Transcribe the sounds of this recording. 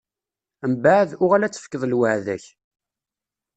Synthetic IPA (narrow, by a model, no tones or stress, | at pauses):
əmbaʕðʊʁalæt͡sːə̥fkːəðˤəlwəʕðæ̰ç